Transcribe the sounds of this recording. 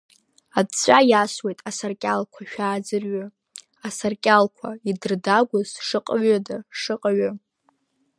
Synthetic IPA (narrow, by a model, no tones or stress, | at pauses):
adt͡sʷʼajaswe̞jtʼasarkʲʼalkʷʰaʃᶣaːd͡zɨrɥa | asarkʲʼalkʷʰaidɨrdaɡʷʊzʂɨqʼaɥadaʂɨqʼaɥa